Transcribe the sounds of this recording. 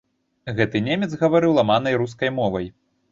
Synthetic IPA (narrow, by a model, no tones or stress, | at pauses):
ɣɛt̪ɨnʲemʲɛd̪zɣɐvaɾɨwlˠamanɐjɾus̬kɐjmɔvɐj